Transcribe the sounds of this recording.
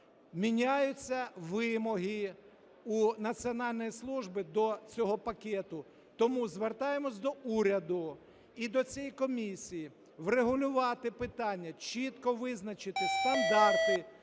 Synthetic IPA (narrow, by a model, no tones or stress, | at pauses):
mʲinʲajʊt͡sʲːɐʋɪmɔɦɪ | unɐt͡sʲiɔnɑlʲnɔjislˠuʒbɪd̪ɔt͡sʲɔɦɔpɐkʲɛt̪ʊ | t̪ɔmuzʋert̪ɑjemɔsʲd̪ɔʔuɾʲɐd̪ʊ | id̪ɔt͡sʲijikɔmʲisʲiji | ʋreɦʊlʲʊʋɑt̪ɪpɪt̪ɑnʲːɐt͡ʃit̪kɔʋɪznɐt͡ʃɪt̪ɪst̪ɐnd̪ɑrt̪ɪ